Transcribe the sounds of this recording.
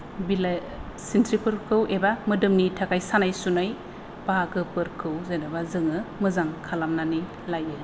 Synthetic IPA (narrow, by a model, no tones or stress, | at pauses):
bila | sintʰɾipɯɾkʰɯwʔebamɯdɯmnitʰakajsanajsunaj | b̥aaɡɯpɯɾkʰɯwzajnabazɯŋɯmɯzaŋkʰalamnani | lajɯ